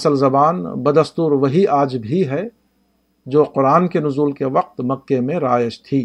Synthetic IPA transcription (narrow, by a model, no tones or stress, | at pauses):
səlzɐbaːnbɐd̪ɐst̪uːɾʋɐɦiʔaːd͡ʒbʱiɦɛ | d͡ʒoːqʊɾaːnkenʊzuːlkeʋɐq̚t̪mɐkːemẽɾaːjɪʃt̪ʰiː